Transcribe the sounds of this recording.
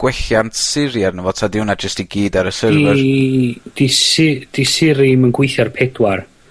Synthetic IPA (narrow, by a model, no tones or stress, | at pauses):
ɡ̥wɛɬjantʰsɪɾjarnəvɔ̥tʰadɪwnad͡ʒəstiɡiːdaɾəsərvərd̥isɪd̥isɪɾimənɡwɪjθjarpʰɛdwar